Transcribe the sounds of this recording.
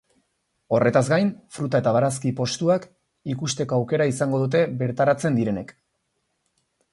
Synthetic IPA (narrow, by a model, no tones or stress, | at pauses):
o̞re̞t̪azɡajnfɾut̪ae̞t̪aβ̞aɾaskipo̞st̪uak | ikust̪e̞ko̞awke̞ɾaisaŋɡo̞ðut̪̬e̞βe̞ɾt̪aɾat͡se̞nd̪iɾe̞ne̞k